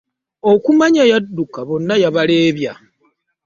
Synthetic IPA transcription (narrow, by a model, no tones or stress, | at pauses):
o̞kumaɲajadːukaβo̞nːajaβale̞ːβja